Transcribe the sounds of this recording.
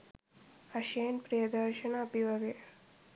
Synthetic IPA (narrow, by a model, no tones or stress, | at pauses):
ɐʃɐjɐnpɾijɐd̪ɐɾʃɐnɐːbiʋɐɡe